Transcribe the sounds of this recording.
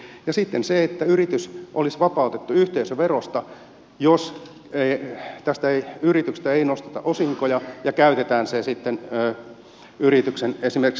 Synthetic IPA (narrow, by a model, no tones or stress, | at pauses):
jɑsit̪ːenseet̪ːæyrit̪ysʔolisʋɑpɑut̪et̪ːuyht̪eisøʋerost̪ɑ | jos | et̪æst̪æeiyrit̪ykst̪æeinost̪e̥t̪ɑ̰ʔosiŋkojɑjɑkæyt̪et̪æːnsesit̪ːenː | yɾit̪yksenesimerk